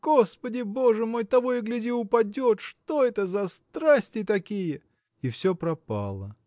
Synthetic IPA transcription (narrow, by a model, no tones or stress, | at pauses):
ɡ̥ospədʲɪbo̞ʐɨmo̞jt̪ɐvo̞jəɡlʲɪdʲiʊpɐdʲo̞t̪ʂt̪o̞ɛt̪əzɐst̪ɾasʲtʲɪt̪ɐkʲijə | ifsʲopɾɐpa̰lˠə̰